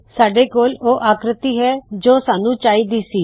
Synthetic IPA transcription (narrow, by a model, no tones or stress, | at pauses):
saːɖeːkoːloːʔaːkɾɪt̪iːɦɛːd͡ʒoːsaːnũːt͡ʃaːiːd̪iːsiː